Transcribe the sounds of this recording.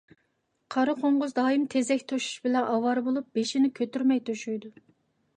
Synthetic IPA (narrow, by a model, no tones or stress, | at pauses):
qʰɑɾɨqʰoɴʁʊzd̪ɑːjimt̪ʰezɛkʲt̪ʰoʃy̥ʃbɪlɛnʔɑwɑɾɨbolˠup̚b̥eʃinɪkʲʰøt̪yɾmɛjt̪ʰoʃyjd̪u